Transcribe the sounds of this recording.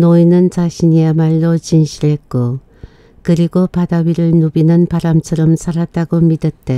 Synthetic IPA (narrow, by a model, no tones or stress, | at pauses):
noinɯnt͡ɕaɕʰiɲiamaɭːot͡ɕinɕʰiɾɦe̞t̚k͈o | kɯɾiɡopadawiɾɯɭnubinɯnpaɾamt͡ɕʰʌɾʌmsʰaɾat̚t͈aɡomidʌt̚t͈e